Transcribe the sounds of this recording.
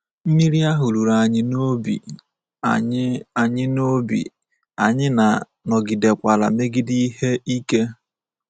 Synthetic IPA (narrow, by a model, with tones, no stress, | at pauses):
m̩˦mi˦ɾi˦a˦ɦʊ˨ɾu˨ɾa˨ɲɪ˦no˦bḭ˨˦ | a˨ɲɪ˦no˦bḭ˨ | a̰˨ɲɪ˦na˨ | nɔ˨ɡɪ˨de˨kʷa˨la̰˨me˦ɡɪ˦di˦i˦ɦe˦i˦ke˦